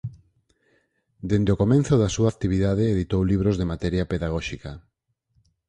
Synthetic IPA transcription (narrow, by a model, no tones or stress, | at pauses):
d̪end̪eokomẽn̟θʊðasuakt̪iβ̞iðaðeːðit̪owliβ̞ɾozðemat̪ɛɾjapeðaɣ̞ɔʃika